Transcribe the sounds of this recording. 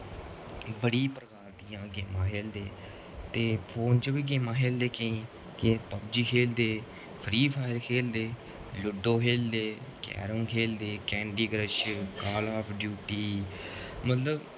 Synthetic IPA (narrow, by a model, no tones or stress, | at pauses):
bəɽiːpɾəkaːɾd̪ijãːɡeːmãːkʰeːld̪eː | t̪eːpʰoːnt͡ʃəbiːɡeːmãːkeːld̪eːkəĩː | kɪpəb̚d͡ʒiːkʰeːld̪eː | pʰɾiːpʰaːɪɾkʰeːld̪eː | lʊɖːoːkʰeːld̪eːkɛ̰ːɾõːŋkʰeːld̪eːkɛ̃ːɳɖiːɡɾəʃkaːlaːpʰɖjuːʈiː | mət̪ləb